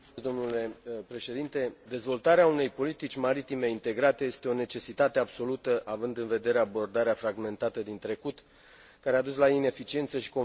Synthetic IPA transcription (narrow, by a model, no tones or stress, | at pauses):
sd̪omnule̞pɾe̞ʃe̞d̪int̪e̞d̪e̞zvo̞lt̪aɾeaune̞jpo̞lit̪it͡ʃʲmaɾit̪ime̞int̪e̞ɡɾat̪e̞je̞st̪e̞o̞ne̞t͡ʃe̞sit̪at̪eabso̞lut̪əʔavɨnd̪ɨnve̞d̪e̞ɾe̞abo̞rd̪aɾeafɾaɡme̞nt̪at̪əd̪int̪ɾe̞kut̪ | kaɾead̪uslaine̞fit͡ʃie̞nt̪səʃi̥ko